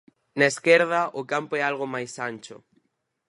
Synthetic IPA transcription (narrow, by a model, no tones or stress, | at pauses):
naeskeɾðɐʔʊkampoɛalɣ̞omajsanʲt͡ʃʊ̰